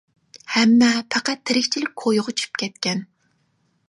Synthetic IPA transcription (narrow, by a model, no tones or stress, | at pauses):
hɛmːɛpʰæqæt̪ʰːeɾɪkʲt͡ʃʰilɪk̚ʲkʰojʊʁʊt͡ʃʰy̥p̚kʲʰɛt̪̚kʲɛn